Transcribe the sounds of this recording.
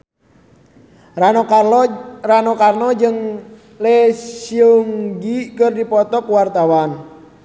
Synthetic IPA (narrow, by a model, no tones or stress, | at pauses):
ranokarnɔd͡ʒəŋ | lesioŋɡikərdipɔt̪ɔkwart̪awan